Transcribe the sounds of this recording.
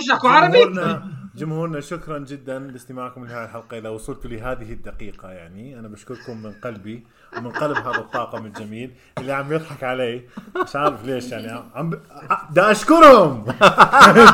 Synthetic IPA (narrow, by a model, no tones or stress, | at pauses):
ʃakʊʕɑɾˤɑbinad͡ʒʊmhuːɾnaʃʊkɾˤɑnd͡ʒɪd̪ːanlɪst̪ɪmaːʕkʊmlɪhaːjalħalqɑʔɪðawʊsˤult̪ʊliɦaːðɪɦɪd̪ːaqiːqajaʕniʔanabaʃkʊɾˤkʊmːɪnqɑlbi | wmɪnqɑlbɦaːðat̪ˤːɑːqɑmɪld͡ʒamiːl | ʔɪlːiʕambjɨðˤħɑkʕaleːɪʃʕaːɾɪfleːʃjaʕniaʕamb | d̪aʔaʃkʊɾˤhʊm